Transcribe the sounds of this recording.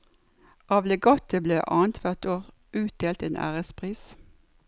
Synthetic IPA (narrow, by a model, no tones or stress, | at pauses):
ʔɑːʋlɛɡɔt̪əbleːʔɑːnt̪ʰʋæʁt̪oːʁ | ʔʉːt̪̚d̪̥eːlt̪eːnʔæ̰ːʁəspʰʁiːs